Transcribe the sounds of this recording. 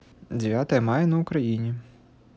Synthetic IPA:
dʲeʋʲjat̪ɐjɛmɑjɛnɐʊkɾɐjinʲi

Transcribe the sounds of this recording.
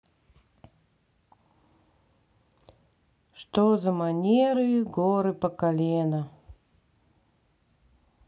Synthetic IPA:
ʂt̪ozəmanʲeɾɨjɪɡoɾɨpəkalʲenə

